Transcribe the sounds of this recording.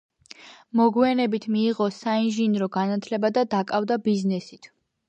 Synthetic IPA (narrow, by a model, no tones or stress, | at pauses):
mɔɡwianɛbit̪ʰmiːʁɔsainʒinɾɔɡanat̪ʰlɛbad̪ad̪akʼavd̪abiznɛsit̪ʰ